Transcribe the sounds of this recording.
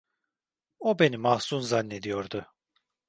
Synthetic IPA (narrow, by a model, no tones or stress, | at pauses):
obe̞nimahsunzanːe̞d̪ijoɾd̪ʊ